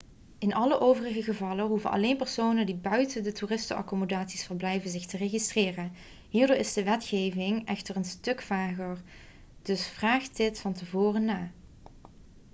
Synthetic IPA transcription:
ɪnɑləʔowvərəɣəɣəvɑlənɦuvənʔɑ̰lejnpəɹsownəndibœɥtəndətuːrɪstəɑ̰komodaːtsisfəɹblɛjvənzɪxtəreɣistrɪːrən | ɦiːɹdʊːɹɪzdəʋɛtxejvɪŋɛxtərənstɵkfaːɣəɹ | d̥ɵsfraːχt̚dɪtfɑntəvoːrənaː

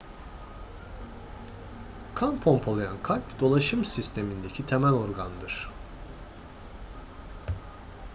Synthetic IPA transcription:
kʰanpʰompʰolˠajankʰalʲpd̪o̞lˠaʃɯmsist̪ʰe̞mind̪e̞cʰit̪ʰemælʲo̞ɾɡand̪ɯɾ̥

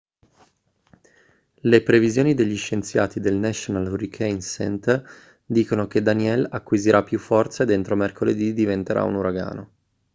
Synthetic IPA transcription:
lepɾevizjoːnid̪eʎːiʃːent̪sja̰ːt̪id̪elnɛʃonalrikʰejnsɛ̰nt̪ | d̪iːkonoked̪aniɛlakːwiziɾʔapːjufːɔrt̪saed̪ːent̪ɾomerkʰoled̪id̪ivent̪eɾʔa̰ṵnuɾaɡa̰ːno

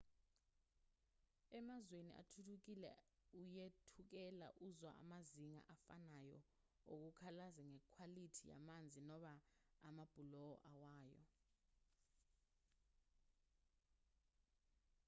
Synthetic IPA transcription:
ɛmazwenḭʔa̰tʰutʰuk̬ilɛ̰ujetʰuk̬ɛla̰ʔuzwa̰ʔa̰maziŋa̰ʔafanajɔ̰ | ok̬ukʰalazɛŋɛkʰwalitʰija̰mand͡zʱinɔɓaːmab̥ʱulɔɔ̰ʔawaːjɔ̰

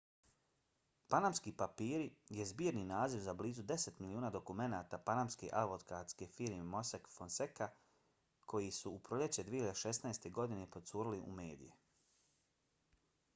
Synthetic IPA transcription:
panamskiːpapiːɾijezbiːɾninaːziʋzabliːzud̪e̞se̞t̪miliuːnaːd̪o̞kume̞naːt̪apanamskeʔaʋot̪kaːt̪ske̞fiɾmemo̞sakfonseka | kʰo̞jisuupɾoʎe̞t͡ɕed̪ieçjad̪eʃe̞snaest̪e̞ɡo̞d̪ine̞pot̪suːɾiliʔṵme̞ːd̪ḭje

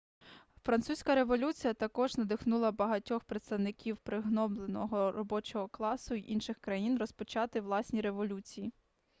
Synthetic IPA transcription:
fɾɐnt̪susʲkɐɾe̞ʋɔlʲut͡sʲijɐt̪ɐkɔʒnɐd̪ɪxnulˠɐbɐɦɐtʲɔxpɾet̪st̪ɐwnɪkʲiwpɾɪɦnɔblˠenɔɦɔɾɔbɔt͡ʃɔɦɔklˠɑsʊiʔinʃɪxkɾɐjinrɔspɔt͡ʃɑt̪ɪʋlˠɑsʲnʲiɾe̞ʋɔlʲut͡sʲiji

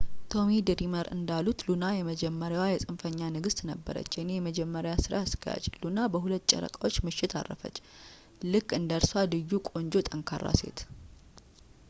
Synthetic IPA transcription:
t̪ʰo̞mid̪ɨɾiməɾɨ̰nd̪alut̪lunajɛməd͡ʒɛmːəɾjawajɛsʼɨnfəɲːanɨɡɨst̪ʼnəbːə̰ɾə̰t͡ʃːjɛnejɛməd͡ʒɛmːəɾjwasɨɾa̰skʰəja̰t͡ʃlunabəɦulət̪ːt͡ʃʼɛ̰ɾə̰kʼawo̞t͡ʃːmɨʃːɪt̪ʰa̰rːə̰fə̰t͡ʃː | lɨkʼːɨnd̪əɾsad̪ɨjːukʼo̞nd͡ʒo̞t̪ʼəŋkʰarːa̰se̞̰t̪

